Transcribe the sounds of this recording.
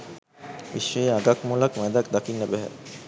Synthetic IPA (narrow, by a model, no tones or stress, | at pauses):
ʋḭʃːəjeaɡakmulakmɛd̪ak̚d̪akinːəbæɦɛ̰